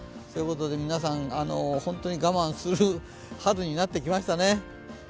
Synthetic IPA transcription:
so̞jɯkot̪o̞d̪e̞mʲinas̬ãŋano̞hõ̞nt̪o̞ɲ̟iɡamãɰ̃sɨɾɯ | hadɯɲ̟inat̪ːe̞kʲimaɕi̥t̪ane̞

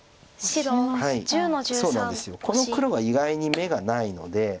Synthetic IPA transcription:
ɕihaiso̞ːnãnd̪e̞sɨjo̞ko̞no̞kɯ̟ɾo̞ɡaiɡaiɲ̟ime̞ɡanaino̞̰d̪e̞

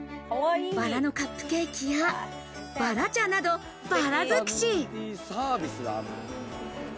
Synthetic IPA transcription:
b̥aɾano̞kapːɯ̟̥ke̞ːkʲija | b̥aɾat͡ɕãnːad̪o̞ | b̥aɾazɨkɯ̥ɕisaːbʲisɨɡa̰n

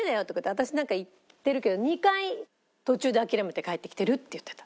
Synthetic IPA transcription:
ed̪ajot̪ːokɯt̪ːat̪aɕinãŋkait̪ːe̞ɾɯ̟ke̞d̪o̞ɲ̟ikai | t̪o̞t͡ɕɨːd̪eakʲiɾame̞t̪e̞kaet̪ːe̞kʲi̥t̪eɾɯ̟t̪ːe̞jɯ̟t̪ːet̪ḁ

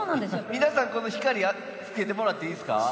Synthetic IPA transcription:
oːnãnd̪esmʲinasãŋko̞no̞çi̥kaɾʲia | t͡sɨ̥ke̞t̪̬e̞mo̞ɾat̪ːe̞ĩːsɨ̥ka̰

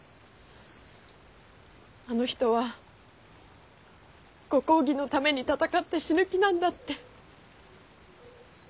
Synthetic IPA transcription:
ano̞çi̥t̪o̞βa | ɡ̥o̞ko̞ːɡʲino̞t̪ame̞ɲ̟it̪at̪akat̪ːe̞ɕiɾɯ̟kʲinãnd̪at̪ːe̞

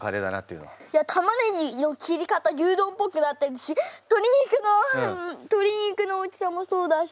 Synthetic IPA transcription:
kaɾed̪a̰na̰t̪ːeɯ̰n̰jat̪ʰamaneɲinokʲiɾʲikat̪ajɯːd̪õ̞ːmpokɯ̟nat̪ːeɾɯɕit̪o̞ɾʲiɲ̟ikɯ̟no̞t̪o̞ɾʲiɲ̟ikɯno̞ːt͡ɕʲi̥samoso̞ːd̪a

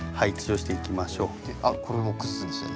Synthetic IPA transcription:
haikʲi̥t͡ɕoːɕi̥t̪e̞ikʲimaɕo̞̥ːeakoɾemokɯ̟zɨt͡sɨd̪eso̰

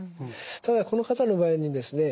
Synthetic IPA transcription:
t̪ad̪ako̞no̞kat̪ano̞baːeɲ̟id̪e̞sɨne̞

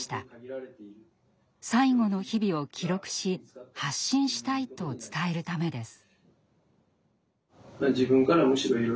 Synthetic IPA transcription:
i̥t̪a | saiɡo̞no̞çibʲio̞kʲʰiɾo̞kɯ̟̥ɕihaɕːĩɰ̃ɕi̥t̪ait̪o̞t͡sɨ̥t̪ae̞ɾɯ̟t̪ame̞d̪e̞sɨ̥ | mad͡ʑibɯ̟̃ŋkaɾamoɕiɾo̞iɾo

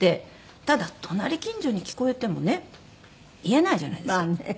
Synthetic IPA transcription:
t̪e̞ | t̪ad̪at̪ʰo̞naɾʲikʲĩɲ̟d͡ʑoːɲ̟ikʲi̥ko̞et̪e̞mo̞ne̞ | ie̞naiʑa̰na̰id̪an

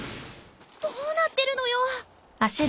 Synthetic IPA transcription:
d̪̥oːnat̪ːe̞ɾɯ̟no̞jo | aɕi

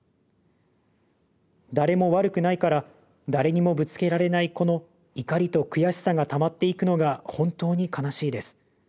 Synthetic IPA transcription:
d̪aɾe̞mo̞βaɾɯ̟kɯ̟naikaɾa | d̪aɾe̞ɲ̟imo̞bɯ̟t͡sɨ̥ke̞ɾaɾe̞naiko̞no̞ | ikaɾʲit̪o̞kɯ̟jaɕi̥saɡat̪amat̪ːe̞ikɯ̟no̞ɡahõ̞nt̪o̞ːɲ̟ikʰanaɕiːd̪e̞sɨ̥

